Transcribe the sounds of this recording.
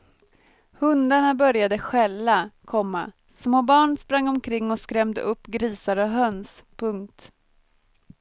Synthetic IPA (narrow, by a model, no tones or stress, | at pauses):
hɵnd̪aɳabœɾjad̪əɧɛlːakʰɔmːa | smoːbɑːɳspɾaŋːɔmkʰɾɪŋːɔskɾɛmd̪ə̰ʔɵpːɡɾiːsaɾɔɦœnspʰɵŋkt̪